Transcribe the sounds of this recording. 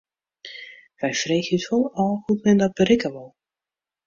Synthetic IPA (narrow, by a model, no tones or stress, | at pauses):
v̥ɛjfrejxytɔlˠɔlˠhutmɛndɔt̚b̥əɾɪkəʋɔlˠ